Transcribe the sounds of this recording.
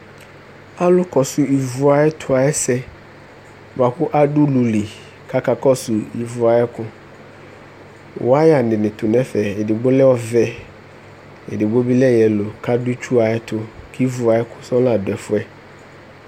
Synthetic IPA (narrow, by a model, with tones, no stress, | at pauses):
a˦lʊ˦kɔ˨sʊ˨i˨vʊ˨a˨ɛ˦tʰʊ˨a˨ɛ˦sɛ˦ | va˨ɸʊ˦ʔa˦ɖʊ˦lu˨li˨ | kʰa˦ka˨kɔ˦sʊ˨i˨vʊ˨a˨ɛ˦kʊ˦ | wʔʊ˨˦a˦ja˨nɪ̃˨nɪ̃˨tʊ˨nɛ˦fɛ˨ɪ˨dɪ˨ɡ͡bʊ˦lɛ˦ɔ˦vɛ˨ | ɪ̰˨dɪ˨bo˦bi˦lɛ˦jɛ˨lʊ˨kʰa˦dʊ˦t͡ʃu˦a˨ɛ˦tʰʊ˦kʰi˦vʊ˨a˨ɛ˦kʊ˦sɔ˦la˨dʊ˨ɛ˨fʊ˦ɛ˦